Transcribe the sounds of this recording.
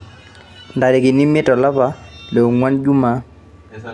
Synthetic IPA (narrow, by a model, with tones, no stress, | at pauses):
nda˨dɛ˨kɪ˨ni˦mɛ˦tɔ˨la˦pa˨˦lɛ˨ŋwa˦nd͡ʒu˦ma˦